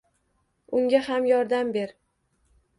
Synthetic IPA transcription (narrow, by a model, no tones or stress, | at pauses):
ʊŋɡʲahamjɒɾd̪ambe̞ɾ